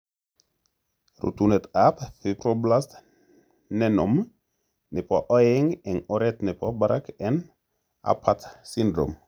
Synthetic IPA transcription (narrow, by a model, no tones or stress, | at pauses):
ɾṵt̪unɛt̪apfipɾoblast̪ | nɛnɔm | nepoʔɔjeŋenɔɾɛt̪nɛpʰɔbaɾakɛn | a̰pʰːat̪sind̪ɾo̰m